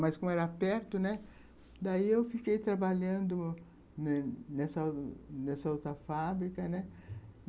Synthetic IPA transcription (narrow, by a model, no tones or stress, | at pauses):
mɐskõɛɾɐapɛɾt̪ʊnɛ | d̪aiewfikejt̪ɾabaʎɐ̃nd̪ʊ | nɛnɛsanɛsɐaut̪ɐfabɾikɐnɛ